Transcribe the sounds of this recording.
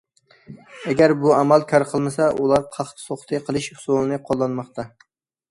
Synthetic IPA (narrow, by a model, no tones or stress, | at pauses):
ɛɡʲæɾbuæmælkʲʰɑɾqʰəlˠmɪsɛʔulˠɑɾqʰɑχt̪ʰsoχt̪ʰɨqʰəlˠɨʃsolˠɨnɨqʰolˠːɑnmɑχt̪ʰɑ